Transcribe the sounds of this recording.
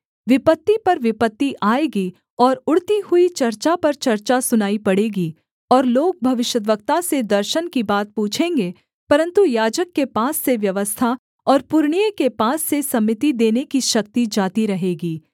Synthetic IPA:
ʋɪpət̪ːipɐɾʋɪpət̪ːiʔaːeːɡi | ɔːɾʊɽt̪ihʊit͡ʃɐɾt͡ʃapɐɾt͡ʃɐɾt͡ʃasʊnaːipɐɽeːɡi | ɔːɾloːɡ̚bʱɐʋɪʃjəd̪ʋəkt̪ased̪ɐɾʃənkibaːt̪̚puːt͡ʃʰẽːŋɡeː | pɐɾə̃nt̪ujaːd͡ʒəkːepaːsːeʋjɐʋəst̪ʰa | ɔːɾpʊɾɳ̃ijəkepaːsːesɐmɪt̪id̪eːnekiʃɐk̚t̪id͡ʒaːt̪iɾɐɦeːɡiː

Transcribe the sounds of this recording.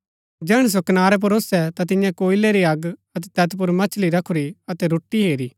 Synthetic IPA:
d͡ʒɛːɽ̃s̬okɐnaːɾɛp̬ɐɾoːsɛt̪at̪ɪ̃jãkoːɪlɛɾiɐɡɐt̪̬ɛt̪ɛːt̪p̬ʊɾmɐt͡ʃʰliɾɐkʰuɾiɐt̪ɛɾʊʈːiɦeːɾiː

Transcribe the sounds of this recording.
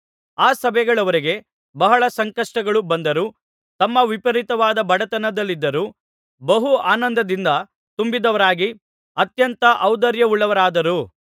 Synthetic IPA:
aːsɐbɛjɡɐɭɐʋɐɾiɡe̞ | bɐɦɐɭɐsɐŋkɐʂʈɐɡɐɭubɐnd̪ɐɾuː | t̪ɐmːɐʋipɐɾit̪ɐʋaːd̪ɐbɐɽɐt̪ɐnɐd̪ɐlːid̪ːɐɾuː | bɐɦuaːnɐnd̪ɐd̪ind̪ɐ | t̪umbid̪ɐʋɐɾaːɡi | ɐt̪jɐnt̪ɐʔɐwd̪ɐɾjɐuɭːɐʋɐɾaːd̪ɐɾuː

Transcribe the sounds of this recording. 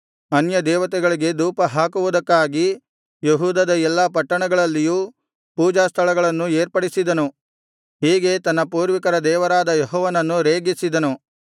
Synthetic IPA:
ɐnjɐd̪ɛːʋɐt̪̬ɛɡɐɭiɡe̞d̪uːpɐɦaːkuʋud̪ɐkːaːɡi | jeɦuːd̪ɐd̪ɐɛlːɐpɐʈːɐɳɐɡɐɭɐlːijuː | puːd͡ʒaːst̪ʰɐɭɐɡɐɭɐnːueːɾpɐɽisid̪ɐnu | ɦiːɡe̞t̪ɐnːɐpuːɾʋikɐɾɐd̪ɛːʋɐɾaːd̪ɐjɔɦɔːʋɐnɐnːuɾeːɡisid̪ɐnu

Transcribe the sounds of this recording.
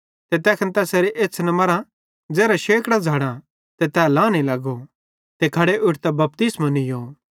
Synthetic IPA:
t̪et̪ɛːkʰənt̪ɛːseːɾeʔeːt͡sʰnɐmɐɾã | d͡zɛːɾaʃeːkɽad͡zʱaːɽ̃ã | t̪ɛt̪ɛːlãːnilɐɡo | t̪ekʰɐɽeʔʊʈʰt̪ɛbɐp̚t̪ɪsmanɪjoː

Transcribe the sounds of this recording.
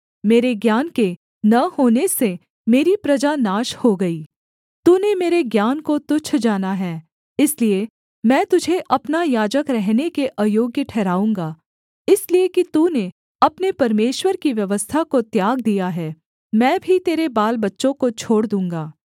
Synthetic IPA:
meːɾeɡjaːnke | nɐhoːnese | meːɾipɾɐd͡ʒanaːʃhoɡɐiː | t̪uːnemeːɾeɡjaːnkot̪ʊt͡ʃʰd͡ʒaːnaɦɛː | ɪslie | mɛ̃ːt̪ʊd͡ʒʱeʔɐpnajaːd͡ʒəkɾɛɦnekeʔaːjoːɡjəʈʰɛːɾaːũːŋɡaː | ɪsliekit̪uːne | ɐpnepɐɾmeːʃwəɾkiʋjɐʋəst̪ʰakot̪jaːɡd̪ijaɦɛː | mɛ̃ːbʱit̪eːɾebaːlbɐtːʃõkot͡ʃʰoːɽd̪ũːŋɡaː

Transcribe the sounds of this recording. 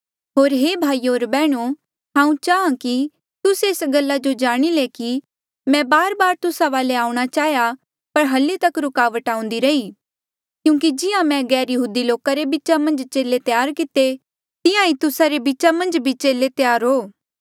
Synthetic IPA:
ɦoːɾɦeːbʱaːioːɾbɛːɽ̃o | ɦãːũt͡ʃaːãki | t̪ʊseːsɡɐlːad͡ʒod͡ʒaːɽ̃ileki | mɛ̃baːɾbaːɾt̪ʊsaʋaːleaːũɽ̃at͡ʃaːja | pɐɾɦɐlːet̪ɐkɾʊkaːʋəʈãːũn̆d̪iɾɐi | kjũːkid͡ʒɪjãmɛ̃ɡɛːɾjəɦuːd̪iloːkaɾebɪt͡ʃamɐ̃nd͡ʒt͡ʃeːlet̪ɪjaːɾkɪt̪e | t̪ɪjãit̪ʊsaɾebit͡ʃamɐ̃nd͡ʒbʱit͡ʃeːlet̪jaːɾɦoː

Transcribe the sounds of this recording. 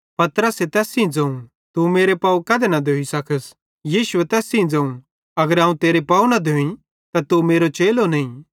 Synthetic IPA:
pɐt̪ɾəset̪ɛːsĩd͡zɐ̃ũ | t̪umeːɾepaːũkɐd̪enɐd̪ʱeisɐkʰəs | jiːʃʊet̪ɛːsĩĩd͡zɐ̃ːũ | ɐɡəɾɐ̃ːũt̪eːɾepaːunɐd̪ʱẽĩ | t̪at̪umeːɾot͡ʃeːlonɐĩ

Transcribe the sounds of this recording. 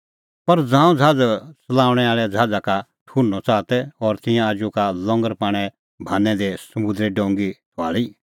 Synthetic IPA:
pɐɾd͡zãːũd͡zʱaːd͡zt͡sɐlaːʊɽ̃ɛaːɭɛd͡zʱaːd͡zaka | ʈ̪ʰuːɾnːɔt͡saːt̪ɛɔːɾt̪ɪ̃jãad͡ʒukalɔ̃ŋɡəɾpaːɽ̃ɛ | bʱaːnːɛ̃d̪esɐmud̪ɾɛɖɔ̃ːŋɡit̪ʰa̰ːɭi

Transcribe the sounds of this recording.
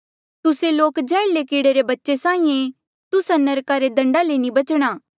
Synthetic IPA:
t̪ʊseloːkd͡ʒɛːlekiːɽeɾebɐtːʃesãːĩẽ | t̪ʊsanɐɾkaɾed̪ɐ̃ɳɖalenibɐt͡ʃɽ̃aː

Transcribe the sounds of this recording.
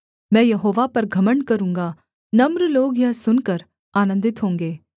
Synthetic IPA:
mɛ̃ːjɐɦoːʋapɐɾɡʱɐməɳkɐɾũːŋɡaː | nɐmɾloːɡjãsʊnkəɾ | aːnə̃nd̪ɪt̪ɦõːŋɡeː

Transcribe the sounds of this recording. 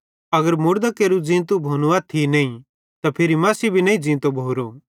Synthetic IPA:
ɐɡəɾmʊɾd̪akeːɾud͡zĩːnt̪obʱoːnʊʋat̪ʰinɐːĩ | t̪apʰɪɾimɐːsibʱinɐ̃ĩd͡zĩːt̪obʱoːɾo

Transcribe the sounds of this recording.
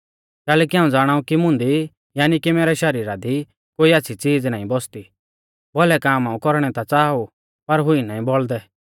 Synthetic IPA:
kɛːlɛːkiɦãːũd͡zaːɽ̃aːũkimʊ̃nd̪i | jaːnikimɛːɾɛʃɐɾiːɾad̪i | koːiaːtːsʰit͡siːd͡znaːĩbɔst̪i | bɔlɛkaːmãːũkɔɾɽ̃ɛt̪at͡saːu | pɐɾɦʊinaːĩbɔɭd̪ɛ

